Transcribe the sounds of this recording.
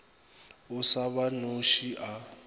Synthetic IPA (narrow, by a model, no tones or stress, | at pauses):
ʊsaβanoʃiʔa